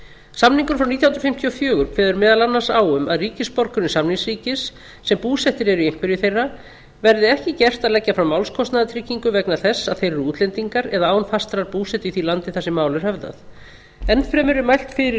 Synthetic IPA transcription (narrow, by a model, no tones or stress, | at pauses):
samniŋkʏɾ̥fɾawniːt̪jahnt̪ɾʏfɪm̥t̪ʰiɔfjœːɣʏɾkʰvɛːðʏɾmɛːðalanːḁsaːwʏmaðriːcɪspɔɾkʏɾnɪsamniŋsɾiːcɪsː | ɛmpuːsɛht̪ɪɾɛɾʏieŋ̥kvɪɾjʏθejrːa | vɛɾðɪɛhcɪcɛr̥t̪aðlɛcːafɾawmːawlskʰɔst̪naðat̪ʰɾɪcːiŋkʏvɛknaθɛsːaðθejrʏuːt̪lɛnt̪iŋkaɾɛðaaːwnfast̪ɾaɾpuːsɛht̪ʏiθilant̪ɪθɛsːɪmaːwlʏɾ̥hœvða̰θ | ɛnfɾɛːmʏɾɪmajl̥t̪fɪɾɪ